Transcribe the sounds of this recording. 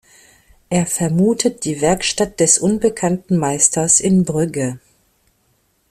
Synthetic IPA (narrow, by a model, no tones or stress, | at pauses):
ʔeːɐfɛɐmuːtʰət̚d̥iːvɛɐkʃtat̚d̥ɛsʔʊnbəkʰantn̩maɪstʰɐsʔɪnbʁʏɡə